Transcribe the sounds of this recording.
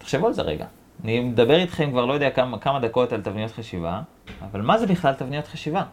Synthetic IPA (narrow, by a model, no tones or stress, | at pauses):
t̪e̥χʃevualzḛʁḛɡa̰ | nimed̪abe̞ʁit̪χe̞mkvaʁlojo̞deakamkamad̪ako̞t̪alt̪avnijo̞t̪χaʃiva̰ː | valmaze̞biχlalt̪avnijo̞t̪χaʃiva